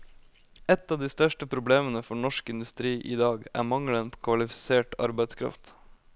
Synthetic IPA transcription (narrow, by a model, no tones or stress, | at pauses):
ɛt̪ːɑːʋd̪iːst̪œʂʈəpʰɾʊbleːmənəfɔɳɔʂkɪnd̪ʉst̪ɾiːʔiːd̪ɑːɡæ̰ːmɑŋlənpʰoːkʰʋɑlɪfɪ̥seːʈɑ̰ɾbæɪd̪skʰɾɑ̰ft̪